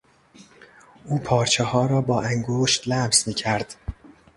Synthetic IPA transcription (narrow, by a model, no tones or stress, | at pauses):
ʔuːpʰɒːɾt͡ʃʰehɒːɾɒːbɒːʔæŋɡoːʃt̪læmsmiːcʰæɾd̪̥